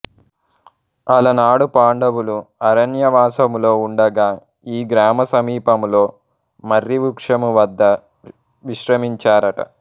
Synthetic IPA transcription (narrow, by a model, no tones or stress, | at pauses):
ɐlɐnaːɽupaːɳɖɐwuluɐɾɐnjɐʋaːsɐmlo̞ːuɳɖɐɡaː | iːɡɾaːmɐsɐmiːpɐmlo̞ː | mɐɾːiʋukʂɐmuʋɐd̪ːɐ | ʋiʃɾɐmiɲt͡ʃaːɾɐʈɐ̰